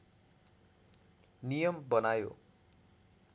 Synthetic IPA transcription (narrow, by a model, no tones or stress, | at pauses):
nijʌmbʌnajo̰